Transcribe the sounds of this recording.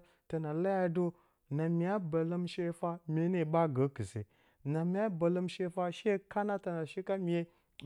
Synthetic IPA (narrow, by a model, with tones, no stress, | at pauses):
ta˨na˨la˦ja˦do˦ | na˨mi˨ja˦ba˨lə˦mʃe˦fa˦mʲe˦ne˦˨ɓa˦ɡə˨˦ki˨sḛ˨ | na˨mi˨˦a˦ba˨lə˦mʃe˦fa˦ʃe˦˨˦ka˦na˦ta˨na˨ʃi˦ka˦mi˨e˦